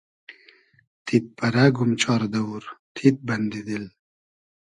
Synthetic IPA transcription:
t̪ʰit̪̚pɐɾaɡumt͡ɕʰɑːɾd̪ɐuɾt̪ʰit̪̚bɐnd̪id̪il

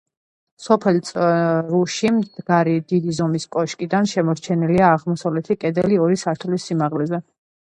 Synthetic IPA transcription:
sɔpʰɛlt̪sʼɾuʃimd̪̥ɡaɾid̪id̪izɔmiskʼɔʃkʼid̪anʃɛmɔɾt͡ʃʰɛniliaːʁmɔsavlɛt̪ʰikʼɛd̪ɛliɔɾisaɾt̪ʰlisːimaʁlɛzɛ

